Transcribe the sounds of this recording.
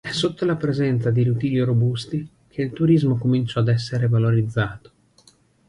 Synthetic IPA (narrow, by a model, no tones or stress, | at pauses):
ɛsːot̪ːolapɾezɛnt̪sad̪iɾut̪iːiɾobust̪i | kʰeilt̪uɾizmokomint͡ʃɔad̪ɛs̬ːeɾevaloɾid̪zːaːt̪o̥